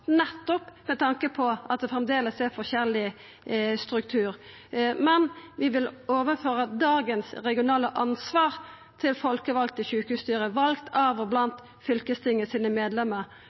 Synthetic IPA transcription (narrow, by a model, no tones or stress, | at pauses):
nɛt̪ːɔpmɛt̪ʰɑŋkəpʰɔʔɑt̪̚d̪ɛfʁɛmd̪eːləsɛfɔçɛlɪ | st̪ɾʉkt̪ʰʉːɾ | mɛnʋɪʋɪloːʋəføːɾəd̪ɑːɡənsɾɛɡɪʊnɑːləʔɑnsʋɑːʁ | t̪ʰɪlfɔlkəʋɑlk̚t̪ɪçʉːkʉːst̪yːɾəʋɑlkt̪ʰɑːʋɔblɑnt̪ | fʏlkəst̪ʰɪŋːəsiːnəmeːd̪lɛmːəɾ